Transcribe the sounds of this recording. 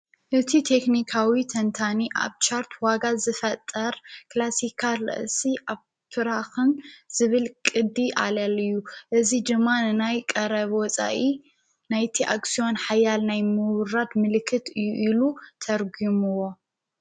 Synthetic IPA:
ʔɨt̪ʰit̪ʰe̞knikʰawit̪ʰɐnt̪ʰaniʔa̰βt͡ʃʰaɾt̪ʰwaɡazɨfɐt̪ʼːɐɾklasikʰalɨ̰ʔsiʔaβ | t̪ʰɨɾaxɨnz̥ɨβɨlkʼɨd̪ːiʔa̰lalɨjːuʔɨzid̪ɨmːanɨnajkʼɐɾɐβwɔt͡sʼa̰ʔi | najt̪ʰiʔaksio̞nħajalnajmɨwɾad̪mɨlɨkʰːɨt̪ɨjːuʔilut̪ʰɐɾɡimɨwo̞

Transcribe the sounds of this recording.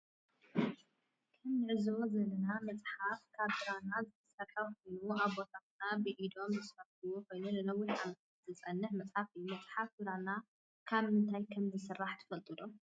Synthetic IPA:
kʰɐmnɨʕɨzɨozɐlːɐnamɐt͡sʼħafkʰaβɨɾanazɨt̪ʰɐsʼɐkʼɐkojnuaβbo̞t̪ʰaknabɨʔid̪o̞mzɨsfɐftɨwoko̞jnulɐlɐwʊlʕamɐt̪ʰat̪zɨt͡sʼɐnːɨħmɐt͡sʼħafɨjːumɐt͡sʼħafbɨɾana | kʰaβɨnt̪ʰajkʰɐmzɨsɨrːaħt̪ʰɨ̥fɐlt̪ʼɨlu

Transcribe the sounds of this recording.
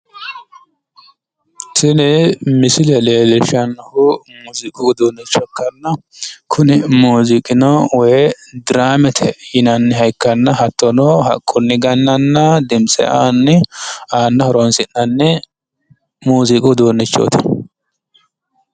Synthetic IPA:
tʰɪnɛmɪsɪlɛleːlɛʃɐnːɐhʊmuzɪkʼʊɡd̪oːnːɛt͡ʃːɔkːɐnːɐkʰʊnɪmuːzɪkʼɪnɐwɔ | d̪ɪɾaːmɛt̪ʰɛjɪnɐnːɪɦɐjkːɐnːɐhɐt̪ːɔnoːɦɐ̰kʼːʊnːɪɡɐnːɐnːɐd̪ɪmsʼɛ̰ʔaːnːɛaːnːɐhɔɾonsɪnːɐnːɛ | muːzɪkʼʊd̪oːnːɪt͡ʃːo̰t̪ʰɐ

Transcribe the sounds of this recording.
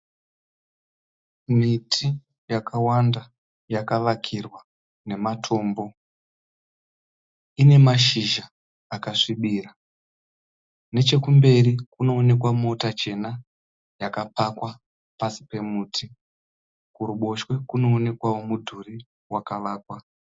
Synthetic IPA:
mitʰi | jakʰawanda | jakaʋakʰirwa | ne̞matʰo̞ːmbo̞ | ine̞maʃiʒaː | kaʂiɓiːra | ne̞t͡ʃe̞kumbe̞rikuno̞ːne̞kwamo̞tat͡ʃe̞na | jakapakwa | pasi̥pe̞muːtʰi | kuɾuɓo̞ʃwe̞kuno̞ːne̞kwawo̞mudʱuri | wakaʋaːkwa

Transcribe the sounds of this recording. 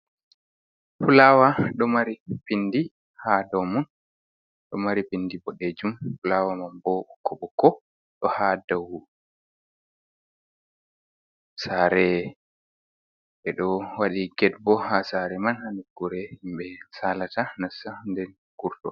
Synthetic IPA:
fulaːwaɗɔmaɾipindi | hadɔmun | ɗɔmaɾipindibɔɗed͡ʒumfulawamanbɔkʰːɔbɔkːɔ | ɗɔhadaw | saːɾɛ | ʔɛɗɔwaɗiɡɛdbɔhasaɾɛmanhanuɡuɾɛhimɓɛsalatanasandɛn | ɡ̥uɾtɔ̰

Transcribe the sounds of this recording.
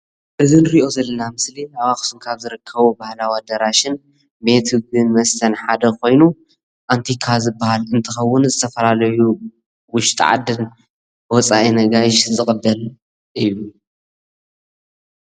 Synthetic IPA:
ʔɨzinɨɾiʔo̞zɐlːɐnamɨslinawaxsunkʰaβzɨɾɨkʰːɐβobahlawad̪ɐɾaʃɪn | met̪hɨɡɨnmɐst̪ʰɐnħad̪ɐkʰo̞jnu | ʔant̪ʰikʰazɨbahalɨnt̪ʰɨxɐwːʊnzɨt̪ʰɐfɐlalɐju | wʊʃt̪ʼʕa̰d̪ɨn | wɔt͡sʼaʔinɐɡajʃzɨkʼɨbːɐl | ʔɨjːu

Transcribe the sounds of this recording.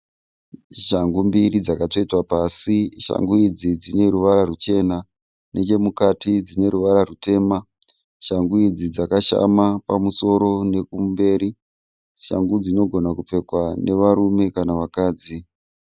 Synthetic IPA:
ʃaŋɡumbirid͡zakato̞itwapasiʃa̰ŋɡuid͡zid͡zine̞ɾuʋaɾarut͡ʃe̞na | ne̞t͡ʃe̞mukatid͡zine̞ɾuʋaɾarute̞ːma | ʃaŋɡuid͡zid͡zakaʃa̰mapamuso̞ɾo̞ne̞kumbe̞ːɾi | ʃa̰ŋɡud͡zino̞ɡʱo̞nakup͡fe̞kwane̞ʋaɾume̞kanaʋakaːd͡zi

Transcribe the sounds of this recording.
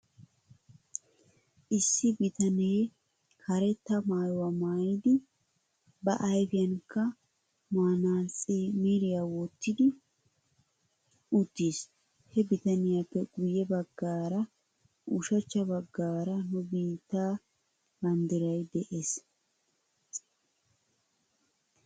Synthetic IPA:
ʔɪsːɪbɪt̪ɐneː | kʰɐɾɛt̪ːɐmaːjwɐmaːjɪd̪ɪ | bɐʔɐjfɪjɐnkːɐ | maːnaːt͡sʼemeːɾɪjawɔt̪ːɪd̪ɪ | ʊt̪ːis | hɛbɪt̪ɐnɪjapːɛɡʊjːɛbɐɡːaːɾɐ | ʔʊʃɐt͡ʃːɐbɐɡːaːɾɐnʊbiːt̪ːaː | bɐnd̪ɪɾɐjd̪ɛʔeːs

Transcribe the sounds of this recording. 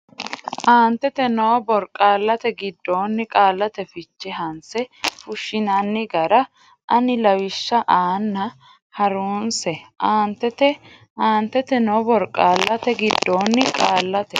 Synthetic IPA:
ʔaːnt̪ːɛt̪ɛnobɔɾkʼaːlːɐt̪ɛɡɪd̪ːoːnːɪkʼaːlːɐt̪ɛfɪt͡ʃːɛɦɐnsɛfʊʃːɪnɐnːɪɡɐɾɐ | ʔɐnɪlɐwɪʃːɐʔaːnːɐ | hɐɾuːnsɛʔaːnt̪ːɛt̪ɛ | ʔaːnt̪ːɛt̪ɛnobɔɾkʼːaːlːɐt̪ɛɡɪd̪ːoːnːɪkʼaːlːɐt̪ɛ

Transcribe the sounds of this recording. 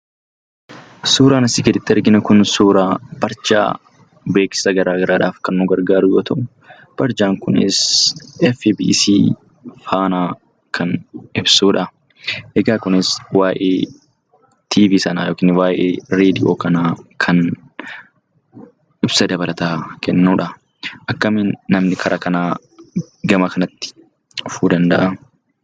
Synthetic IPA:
suːɾaːnɐsɪkɛd̪ɪt̪ːɛɐɾɡɪnɐkʊnsuːɾaːb̥ɐɾt͡ʃa̰ː | beːksɪ̥sɐɡɐɾaːɡɐɾʔaːᶑaːfkɐnːʊɡɐɾɡaːɾʊɡɔːt̪ʰɐʔʊ | b̥ɐɾd͡ʒaːŋkʊnɪ̰sɛfibḭːsḭː | faːnaː | kʰɐnɪbsuːᶑɐ | ʔɛɡaːkʊnɪswaːjʔeː | t̪ʰiːviːsɐnaːjoːkiːnwaːʔeːɾe̞ːd̪ɪʔoːkɐnaːkʰɐn | ʔɪbsɐd̪ɐbɐlʔɐt̪aːkʰɛnːuːᶑɐ | ʔɐkːɐmɪnːɐmnɪkʰɐɾʔɐkɐnaː | ɡɐmɐkɐnɐt̪ːɪ̥ | ʊfuːd̪ɐnd̪ɐʔɐ

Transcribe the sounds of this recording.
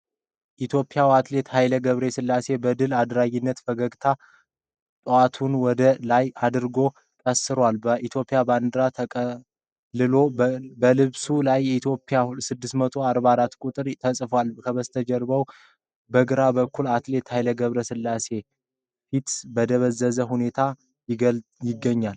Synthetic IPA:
ʔit̪ʰjo̞pʼːɪjawat̪le̞t̪hajləɡəβɾesɨlːase̞bəd̪ɨlad̪ɾaɡinːət̪fəɡəɡt̪ʰa | t̪ʼoat̪ʰunwɔd̪əlajad̪ɨɾɡo̞ | kʼəsɨɾwalbəʔit̪ʰjo̞pʼjaband̪ɾat̪ʰəkʼə | lːɨlo̞bəlɨβsulajːɛit̪ʰjo̞pʼːɪjasɨd̪ːɨst̪mət̪ʰo̞aɾbaɾat̪ːkʼut̪ʼɨɾt̪ʰəsʼfwalkʰəβəst̪ʰəd͡ʒɛɾbəw | bəɡɨɾabəkːulat̪le̞t̪hajləɡəβɾəsɨlːase̞ | fit̪bəd̪əβəzːəzəɦune̞t̪ʰa | jɪɡjɪɡːəɲːal

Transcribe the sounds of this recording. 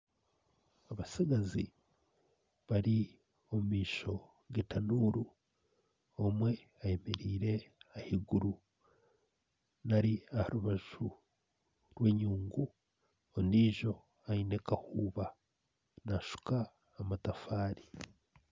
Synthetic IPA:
aβasiɡazi | βaɾi | o̞mumiːʃo̞ | ɡetanuɾu | omwe̞ | aje̞me̞ɾiːɾe̞ahiɡuɾu | naɾiahaɾuβaʒ̥u | ɾwe̞ːɲuːŋɡu | oniːʒo̞ | aine̞kahuːβa | naʃu̥kaː | matafaːɾi

